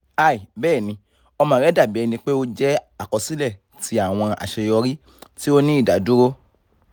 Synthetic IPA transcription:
a˦˨i˨bɛː˦˨nĩ˧˦ | ɔ˧mã˧˦ɾɛ˦da˦˨bi˨˦ɛ˧nĩ˧k͡pe˦o˦d͡ʒɛ˦a˦˨kɔ˧si˦lɛ˦˨ | ti˧˦a˦˨w̃ɔ̃˧a̰˨ʃe˧jɔ˧ɾi˦ | ti˦o˦nĩ˦i˦˨da˨˦du˦ɾo˦

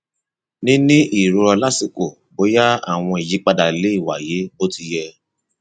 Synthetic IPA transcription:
nĩ˦nĩ˦ʔi˦˨ɾo˧ɾɔ˧la˦si˦˨ko˨ | bo˨˦ja˦a˦˨w̃ɔ̃˧i˨ji˨˦k͡pa˧da˨le˨˦i˦˨wa˨je˨˦bo˦ti˧jɛ˧

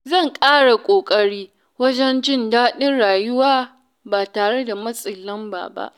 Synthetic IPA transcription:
zɐ˦˨ŋkʼaː˦ɽa˨kʷʼoː˨kʼɐ˦ɽiː˦ | wɐ˦d͡ʒɛ˦nd͡ʒɪ˦ndaː˦ɗɪ˦nɽaː˨jʊ˦waː˦ | baː˨taː˨ɽe˦da˨mɐ˦sʼɪ˨lɐ˦mba̰ː˨ba̰˦ʔ

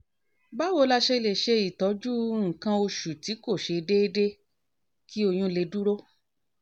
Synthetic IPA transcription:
ba˦wo˧˦la˧ʃe˧le˨ʃe˧i˨tɔ˨˦d͡ʒu˦ŋ̩˨kã˧o˧ʃu˨ti˨˦ko˦˨ʃe˧de˦e˦de˦ | ki˦o˧j̃ũ˧le˧du˦ɾo˦

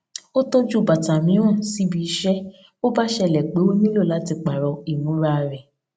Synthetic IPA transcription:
o˦to˦d͡ʒu˦˨ba˨ta˨mĩ˨˦w̃ɔ̃˦˨si˨˦bi˧˦ʃɛ˦ | o˦ba˦ʃɛ˦˨lɛ˨k͡pe˨˦we˦mĩ˦lo˦˨la˨˦ti˧k͡pa˨ɾɔ˧i˦˨nũ˨˦ɾa˦˧˨ɾɛ˨

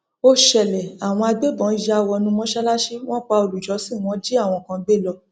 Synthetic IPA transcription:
o˦ʃɛ˨lɛ˨a˨w̃ɔ̃˧a˧ɡ͡be˦bɔ̃˨˦i˧˨ja˦˧˨wɔ˧nũ˧mɔ̃˦ʃɛ˦la˦ʃi˦w̃ɔ̃˦k͡pa˧o˨lu˨d͡ʒɔ˨˦si˦˨w̃ɔ̃˨˦d͡ʒi˦a˦˨w̃ɔ̃˧˨kã˧be˦˨lɔ˧

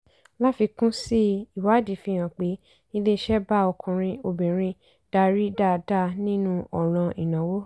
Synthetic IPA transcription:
la˦fi˧kũ˦si˦i˨wa˨˦di˨fĩ˧j̃ã˨k͡pe˨˦ | i˦le˦˧ʃɛ˦ba˦ɔ˧kʰũ˧ɾ̃ĩ˧o˧bĩ˨ɾ̃ĩ˧ | d̥a˧ɾi˦da˦˨da˦˨nĩ˦nũ˦ʔɔ˨ɾ̃ã˧ʔi˨nã˨wo˦

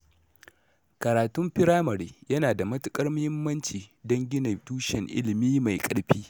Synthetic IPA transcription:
kɐ˨ɾaː˨tʊ˦mɸɪ˦ɾaː˦mɐ˨ɾiː˨jɐ˦naː˨da˨mɐ˦tʊ˦kʼɐ˦rmʊ˦hɪ˦mːɐ˦nt͡ʃiː˨dɐ˦ŋɡʲɪ˦nɐ˨tuː˦ʃɛ˨ŋʔɪ̰˦lɪ˨miː˦ma˨jkʼɐ˨ɽɸiː˦

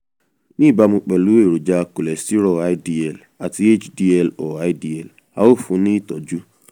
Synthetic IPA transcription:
ni˦˨ba˦mʊ̃˦k͡pe˨lu˦e˦˨ɾu˨d͡ʒa˦˨ko˨le˨sti˦ɾo˨a˦di˦ɛ˨l | a˨ti˦e˦t͡ʃdi˦ɛ˨lo˨a˦ɪ˦di˨ɛ˨l | a̰˨o˦fu˨˦ni˦tɔ˨d͡ʒu˦

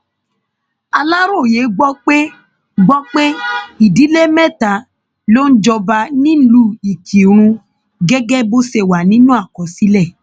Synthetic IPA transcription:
a˧la˦ɾo˦˨je˨˦ɡ͡bɔ˦k͡pe˦ | ɡ͡bɔ˦k͡pe˦i˨di˨˦le˦mɛ̃˦˨ta˨˦ | lo˦n̩˦d͡ʒɔ˧ba˧nĩ˦lu˧˦i˨kʰi˨ɾ̃ũ˧ | ɡɛ˦ɡɛ˦bo˦se˧˨wa˨nĩ˦nũ˦a˦˨kɔ˨si˨˦lɛ˦˨

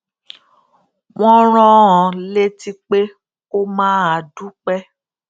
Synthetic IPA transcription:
w̃ɔ̃˦ɾ̃ɔ̃˦ɔ̃˨le˦ti˦k͡pe˦ | ko˦mãː˦a˨du˦k͡pɛ˦

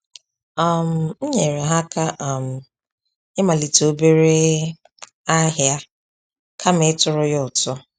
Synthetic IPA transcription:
a˦˨m̩˨n̩˦ɲe˨ɾe˨ɦa˦ka˦ʔa˨m̩˨ | ɪ˦ma˨li˨to˨˦be˦ɾe˦ | a˦ɦja˦ | kʰa˦m˦ɪ˦tʊ˨ɾʊ˦jʊ˦ʊ˨tʊ˦

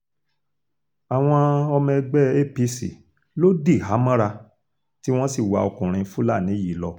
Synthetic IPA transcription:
a˨w̃ɔ̃˧ɔ˧mɛ̃˧ɡ͡bɛ˦e˦pi˧sḭ˨ | lo˦di˦˨ɦa˨˦mã˦ɾa˧ | ti˦w̃ɔ̃˦si˦˨wa˧˨ɔ˧kũ˨ɾ̃ĩ˧fu˦la˦˨nĩ˨˦ji˨˦lɔ˧

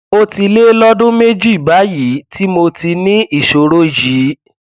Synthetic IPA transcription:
o˧ti˧le˦lɔ˦dũ˦me˦d͡ʒi˦i˨ba˨˦ji˨˦ti˦mo˧ti˧nĩ˦i˦˨ʃo˨ɾo˦ji˨˦

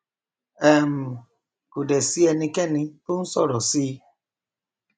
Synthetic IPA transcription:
ɛ˦˨m̩˨ | ku˨dɛ˨si˦ɛ˧nĩ˧kɛ˦nĩ˧pu˦n̩˦sɔ˦˨ɾɔ˨si˦

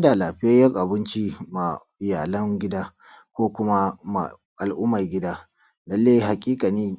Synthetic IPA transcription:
a˦da˨laː˨ɸɪ˦ja˦jɐ˦rʔa˨bɪ˦nt͡ʃi˦ma˨ | ɪ˨jaː˨lɐ˦ŋɡʲɪ˦daː˦ | kʷoː˦kʷʊ˦ma˦ma̰˨ | ʔa˨lʔʊ˦mːɐ˨rɡʲɪ˦daː˦ | dɐ˦lːeː˦ɦa˨kʲʼiː˦kʼa˨niː˦

